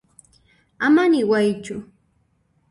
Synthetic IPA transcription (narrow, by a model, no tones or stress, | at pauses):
amanɪwajt͡ʃʊ